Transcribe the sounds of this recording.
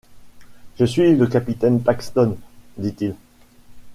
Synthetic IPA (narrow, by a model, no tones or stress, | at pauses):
ʒ̥əsɥiləkapit̪ɛnpakst̪ɔnd̪it̪il